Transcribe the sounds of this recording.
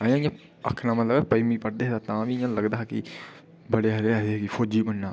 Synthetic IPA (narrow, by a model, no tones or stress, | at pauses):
əjãːɪjãː | ə̰kʰnaːmət̪ləbɛpəiːmĩːpəɽd̪eːɦd̪aːt̪ãːʋijãːləɡd̪aːki | bəɽeːɦəɾeːəekifʰoːd͡ʒiːbənːaː